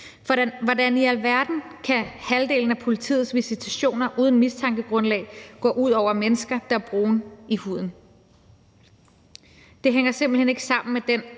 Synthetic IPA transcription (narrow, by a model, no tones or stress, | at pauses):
ʋɒ̥ʋɒdæniælʋæɐd̥n̩kʰæhæld̥e̝̰ːln̩æpʰo̝lit͡sʰḭːð̩ˠsʋisit͡sʰæɕo̝̰ːnɐʔuːð̞ˠn̩mist͡sʰɑ̈ŋɡ̥əɡ̥ʁɔ̽nlɛ̰ɪɡ̥ɒ̰ːʔuð̰ˠɒʊ̰ɐmenəsɡ̥ɐd̥ɑ̈ɐb̥ʁoːnihuð̞̰ˠn̩ | d̥e̝ɦeŋ̰ɐse̝mb̥l̩hene̝ɡ̥əsɑ̈m̰n̩med̥en